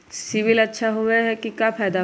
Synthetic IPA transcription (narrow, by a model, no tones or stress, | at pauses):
sɪʋɪlɐtːʃʰaɦʊeɦɛkikapʰɛːd̪a